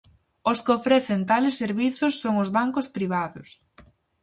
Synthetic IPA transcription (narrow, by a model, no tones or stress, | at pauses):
ʊskɪofɾeθɪnt̪alɪsːeɾβiθʊsːoŋʊzβaŋkʊspɾiβ̞aðʊs